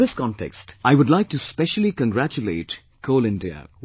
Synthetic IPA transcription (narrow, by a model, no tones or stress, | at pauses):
ɪskɔ̃ntʰɛ̰kstaɪwʊdlaɪk̚tuspɛʃəlikə̃ŋɡɾæt͡ʃulḛɪt | kʰoʊlɪ̃ndiə̰